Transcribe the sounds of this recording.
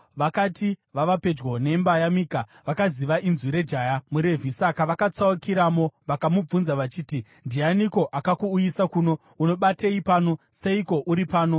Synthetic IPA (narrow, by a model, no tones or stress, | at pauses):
ʋakatiʋaʋape̞d͡ʒwone̞mbajamika | ʋakaziʋaʔinzwiɾe̞d͡ʒajamuɾe̞vʱisakaʋakat͡saukiɾamo̞ʋakamub͡vunzaʋat͡ʃiːti | ndianiko̞ʔakakuːjisakuːno̞ | uno̞ɓateipaːno̞se̞iko̞ʔuɾipaːno̞